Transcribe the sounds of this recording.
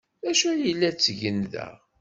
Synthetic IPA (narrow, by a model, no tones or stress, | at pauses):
æʃujəlːæt͡sːʝənðæ̰